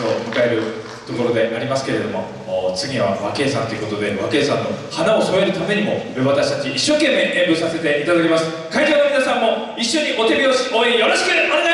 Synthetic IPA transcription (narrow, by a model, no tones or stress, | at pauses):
omot̪ae̞ɾɯ̟ | t̪o̞ko̞ɾo̞d̪e̞ʔaɾʲimasɨ̥ke̞ɾe̞d̪o̞mo̞ː | t͡sɨɡʲiβaβake̞ːsãnt̪oiɯ̟ko̞t̪o̞d̪e̞βake̞ːsãnːo̞hanao̞soeɾɯ̟t̪ame̞ɲ̟imo̞eβat̪aɕi̥t̪at͡ɕiʔiɕːo̞ːkẽ̞mːe̞ʔẽmbɯsase̞t̪e̞ʔit̪ad̪ak̬ʲimasɨ̥ | kaikẽnomʲinasãmːo̞ | iɕːo̞ɲ̟iʔo̞t̪e̞bʲio̞ɕi̥oĩjo̞ɾoɕi̥kɯanɡ